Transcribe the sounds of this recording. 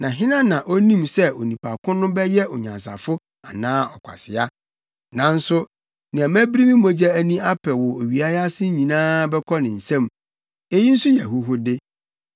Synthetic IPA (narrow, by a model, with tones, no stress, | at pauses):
nã˨ɦɪ̃˦nã˦nã˨ʔo˦nĩ˦msɛ˦o˨nĩ˨pʰa˨kʰʊ̃˦nʊ̃˦bɛ˦jɛ˦o˨ɲã̰˨ns̬a̰˨fʊ˦ | a̰˨nãː˦ɔ˨kʷʰa̰˨sɪ˨a˦ | nã˨n̩˦sʊ˦ | nɪ̃˨a˨mæ̃˦bɾi˦mĩ˦mõ˦d͡ʑɛ˦æ˦nĩ˦a˦pʰɛ˨wɔ˨o˨ɥi˨a˦ja˦sɪ˦ɲĩ˨nãː˦bɛ˦kʰɔ˦nɪ̃˨n̩˨sɛ̃˦˨m | e˦ji˦n̩˦sʊ˦jɛ˨ɦʊ˦ɦʊ˦dɪ˦